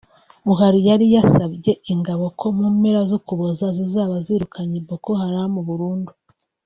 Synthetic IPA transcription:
βuɦaɾijaɾijasabɟe̞iŋɡaβo̞kʰo̞muːmeɾazukuβozazizaːβaziːɾukʰaɲibokohaɾamuβuɾuːndu

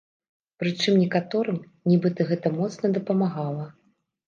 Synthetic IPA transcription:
pɾɨt͡ʂɨmnʲɛkat̪ɔɾɨm | nʲibɨt̪ɨɣɛt̪ɐmɔt̪snɐd̪ɐpɐmaɣalˠɐ

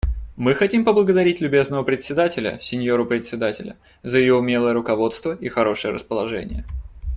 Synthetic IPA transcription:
mɨxɐtʲimpəblˠəɡəd̪ɐɾʲitʲlʲʊbʲe̞znəvəpɾʲɪt̪sʲɪd̪atʲɪlʲə̰sʲɪnʲjo̞ɾʊpɾʲɪt̪sʲɪd̪atʲɪlʲə̰ | zəjɪjoʊmʲe̞lˠəjəɾʊkɐvo̞t̪st̪vəixɐɾo̞ʂɨjəɾə̰spəlˠɐʐɛ̰nʲɪ̰jə̰

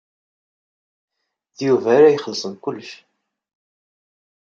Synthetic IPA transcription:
ðjuvæɾæjχəlːsˤənkʊlːʃ

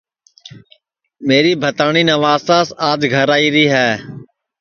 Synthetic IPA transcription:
meːɾiːbʱət̪aːɳiːnəʋaːsaːsaːd͡ʒɡʱəɾaːiːɾiːɦɛː

